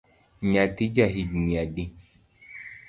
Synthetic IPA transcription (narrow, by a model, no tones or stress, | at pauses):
ɲatid͡ʒaɦidmiadi